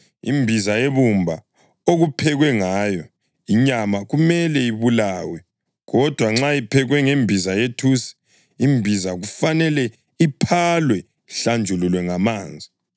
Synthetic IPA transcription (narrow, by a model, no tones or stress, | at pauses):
ḭmbʱizajeβumbʱa | oɣupʰɛɣwɛŋaːjɔ | iɲamaɣumɛlɛiβulaːwɛ | ɣɔd̥ʱwaŋ͡ǁajipʰɛɣwɛŋembʱizajetʰusi̥ | imbʱizaɣufanɛlɛ | ipʰalwɛ | ɬand͡ʒʱululwɛŋamaːnd͡zʱi